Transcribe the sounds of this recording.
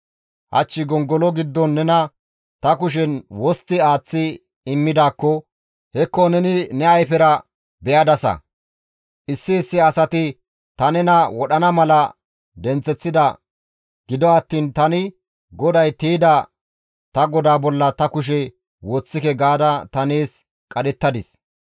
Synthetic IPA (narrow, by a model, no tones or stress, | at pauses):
hɐ̰t͡ʃːɪɡɔŋɡɔlɔɡɪd̪ːɔnːɛnɐ | t̪ɐkʊʃ̬ɛnwɔst̪ːɪaːt͡sːɪ | ɪmːɪd̪aːkːɔ | hɛkːɔnɛnɪnɛɐjfɛɾɐ | bɛjɐd̪ɐsɐ̰ | ʔɪsːɪːsːɪɐsɐt̪ɪ | t̪ɐnɛnɐwɔɗɐnɐmɐlɐ | d̪ɛnt͡sːɛt͡sːɪd̪ɐ | ɡ̥ɪd̪ɔɐt̪ːiːnt̪ɐnɪ | ɡɔd̪ɐjt̪iːd̪ɐ | t̪ɐɡɔd̪aːbɔlːɐt̪ɐkʊʃ̬ɛ | wɔt͡sːɪkɛɡaːd̪ɐt̪ɐneːs | kʼɐɗɛt̪ːɐd̪ɪs